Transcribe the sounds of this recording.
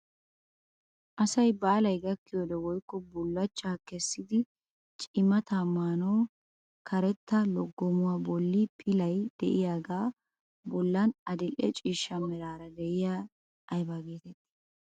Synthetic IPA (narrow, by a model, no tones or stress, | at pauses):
ʔɐsɐjbaːlɐjɡɐkːɪjod̪ɛwɔjkːɔbʊlːɐt͡ʃːaːkɛsːɪd̪ɪ | t͡ʃʼɪmɐt̪amaːnoː | kʰɐɾɛt̪ːɐlɔɡːɔmʊwaːbɔlːɪpʰɪlɐjd̪̥ɛ̰ʔɪjaːɡaː | bɔlːɐnɐd̪ɪlːɛt͡ʃʼiːʃːɐmɛɾaːɾɐd̪ɛʔɪjaː | jbaːɡeːt̪ɛt̪ːɪ̥